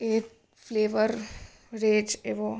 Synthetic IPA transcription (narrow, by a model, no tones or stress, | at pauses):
eːk | fleːʋəɾ | ɾeːd͡ʒeʋo